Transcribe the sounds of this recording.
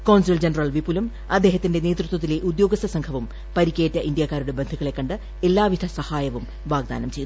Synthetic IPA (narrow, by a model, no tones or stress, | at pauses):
koːwnsild͡ʑenɐrɐɭʋipːulum | ɐd̪ːe̞ːɦɐt̪ːinde̞neːt̪rut̪wɐt̪ːileʔud̪jo̞ːɡɐst̪ːɐsɐŋkʰɐʋum | pɐɾikʲːeːtːɐʔindjakːaːɾuɽe̞bend̪ʱuɣɐɭe̞kːɐɳɖɨ | e̞lːaːʋid̪ʱɐsɐhaːjɐʋum | ʋaːɡ̚d̪a̰ːnɐmt͡ɕe̞ju